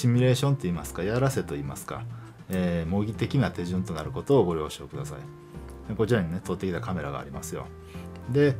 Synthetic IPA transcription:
ɕimʲiɾe̞ːɕõ̞nt̪o̞iːmasɨ̥kajaɾase̞t̪o̞iːmasɨ̥ka̰ | eːmo̞ɡʲit̪e̞kʲinat̪e̞ʑɨ̃nt̪o̞naɾɯ̟ko̞t̪o̞ːɡo̞ɾʲjo̞ːɕo̞ːkɯ̟d̪asa̰i | eko̞t͡ɕiɾaɲ̟ine̞t̪ot̪ːe̞kʲit̪akame̞ɾaɡa̰ːɾʲima̰sɨjo̞̰ | d̪e̞

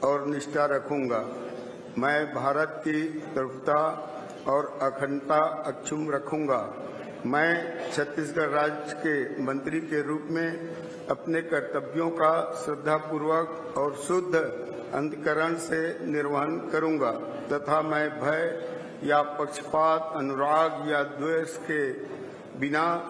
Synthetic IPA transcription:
ɔːɾnɪʃʈaɾəkʰũːŋɡa | mɛ̃bʱaːɾət̪̚kit̪ɾpʰt̪a | ɔːɾəkʰənt̪aəkt͡ʃʰʊmɾəkʰũːŋ̆ɡa | mɛ̃ːt͡ʃʰət̪ːis̬ɡəɾːaːd͡ʒəkemə̃nt̪ɾikeɾuːpmẽ | ɐpnekəɾt̪əbjõkasɾɪd̪ʱːapuːɾwək | ɔːɾsʊd̪ʱː | ə̰̃nd̪kəɾəɽ̃senɪɾʋəɦənkəɾũːŋɡa | t̪ət̪ʰamɛ̃bʱəj | japəkʃə̥paːt̪ənʊɾaːɡjad̪weːʃke | bɪna

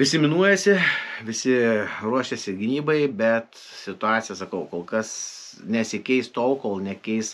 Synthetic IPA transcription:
ʋʲɪsʲɪmʲɪnuɔjɛsʲɪʋʲɪsʲɪruɔʃʲɛsʲɪɡʲɪnʲiːbɐɪbʲɛt̪ | sʲɪt̪ʊɑːtsʲɪjɛsɐkɐʊkoːlˠkɐsnʲɛsʲɪkʲɛɪst̪oːlkoːlˠnʲɛkʲɛɪs

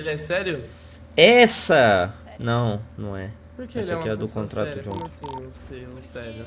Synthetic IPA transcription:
elɛsɛɾjʊ | ɛsɐ | nɐ̃w̃nɐ̃w̃ɛ | pkɛsɐkiɛd̪ʊkõt̪ɾʔat̪ʊʒũnt̪ʊ̥esɛɾʊ

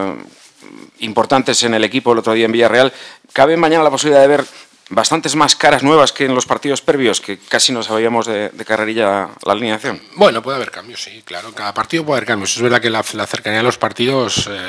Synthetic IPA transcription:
impo̞ɾt̪ant̪e̞se̞ne̞le̞kipo̞elo̞t̪ɾo̞ðiaembiʝare̞al | kaβ̞emãɲãnalapoiβiliðaðeβe̞ɾ | bast̪ant̪e̞zmaskaɾaznwe̞β̞aske̞ːnlo̞spaɾt̪iðo̞speβ̞jo̞ske̞kasino̞saβiamo̞zðe̞d̪e̞kareɾiʎala̰linaθjo̞nbwenopweðaβeɾkambjosiklaɾokaðapaɾt̪iðop̬weaβeɾkambjosezβeɾðakelalaθeɾkanialo̞spaɾt̪iðos

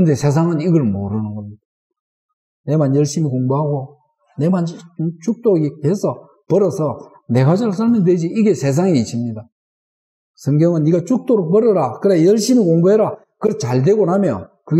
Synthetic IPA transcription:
kɯnde̞sʰe̞s̬ʰaŋɯniɡʌɭmo̰ɾɯnɯnɡʌmɲid̥a | ne̞manjʌɭɕ͈imikoŋboɦaɡo | ne̞mant͡ɕuk̚t͈oɡihe̞sʰʌ | pʌɾʌsʰʌ | ne̞ɡad͡ʑaɭs̬ʰaɭmjʌndwed͡ʑiiɡe̞sʰe̞s̬ʰaŋiis͈imɲida | sʰʌŋɡjʌŋɯnːiɡat͡ɕuk̚t͈oɾok̚pʌɾʌɾakɯɾejʌɭɕ͈imikoŋboɦeɾa | kɯɾt͡ɕaɭde̞ɡonamjʌkɯɡ

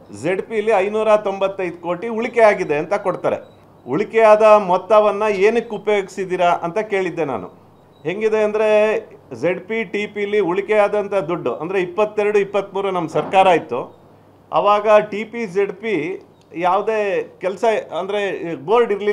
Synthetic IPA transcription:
d͡ʒeɖpijɐlːiɐjnuːɾɐt̪o̞mbɐt̪ːɐjd̪ko̞ːʈiuɭikɛaːɡid̪e̞ɐnt̪ɐkoɽt̪aːɾe̞̰ | uɭikɛjaːd̪ɐmɔt̪ːɐʋɐnːɐeːnukːupɐjo̞ːɡisid̪iːɾaʔɐnt̪ɐke̞ːɭid̪ːe̞na̰ːnṵ | ɦe̞ŋɡid̪e̞ɐnd̪ɐɾe̞d͡ʒeɖpiʈiːpijɐlːiuɭikɛjaːd̪ɐnt̪ɐd̪uɖːuʔɐ̰nd̪ɐɾe̞ipːɐt̪ːeɾɐɽuipːɐt̪ːmuːɾunɐmːɐsɐɾkaːɾaːjit̪ːu | ɐ̰ʋaːɡɐʈiːpid͡ʒeɖpi | jaːʋud̪e̞ːkɛlɐsɐɐnd̪ɐɾe̞ɡoːɾɖiɾli

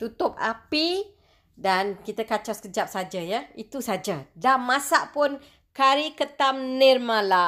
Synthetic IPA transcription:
t̪ut̪ʊk̚a̰pi | dankit̪əkat͡ʃaskəd͡ʒap̚sad͡ʒajait̪usad͡ʒadamːasaʔpʊn | kaɾikət̪amnɛrmala

